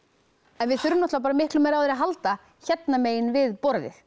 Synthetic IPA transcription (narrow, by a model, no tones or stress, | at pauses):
ɛnvɪðθʏɾʏmnɔht̪vapaːɾamɪhklʏmɛːɾawθɛɾaɦalt̪a | çɛt̪nameːjɪnvɪðpɔɾðɪ̰θ